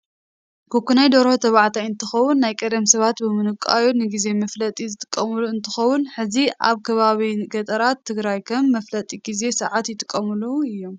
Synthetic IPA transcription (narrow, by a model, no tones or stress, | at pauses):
kʰokːunajd̪oɾhot̪ʰɐβaʕt̪ʰajɨnt̪ʰɨxɐwʊnːajkʼɐd̪ɐmsɐβat̪bɨmɨnɨkʼa̰jonɨɡize̞mɐflɐt̪ʼizɨt̪ʼɨkʼːɐmuluɨnt̪ʰɨxɐwːʊnħɨziʔa̰βkʰɐβaβiɡɐt̪ʼɐɾat̪ʰːɨɡɾajkʰɐmːɐflɐt̪ʼiɡ̥ize̞sɨʕat̪jɪt̪ʼɨkʼːɐmɨluɨjːo̞m